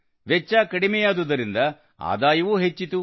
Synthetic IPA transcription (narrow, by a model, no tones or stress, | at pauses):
ʋɛt͡ʃːaːkɐɽimejaːd̪ud̪ɐɾind̪ɐ | a̰ːd̪aːjɐʋuɦet͡ʃːit̪u